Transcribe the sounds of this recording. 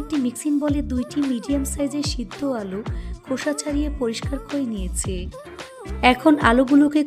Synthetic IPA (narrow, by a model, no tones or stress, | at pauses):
k̚ʈimiksinbɔled̪ujʈimiɖiamsajd͡ʑeɾʃid̪ʱːoalokʰoʃat͡ɕʰaɾijepoɾiʃkaɾkoenijet͡ɕʰe | ɛkʰonaloɡuloke